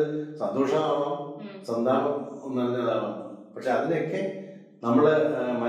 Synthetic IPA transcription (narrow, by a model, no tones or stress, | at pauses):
ɨsɐnd̪ʱoːʂɐmaːɳosɐnd̪ʱaːbɐmonːuʋɐlnːɐðaːɳoːɨpɐkʂeɐðinjokːe̞ | nɐmːɐɭmɐ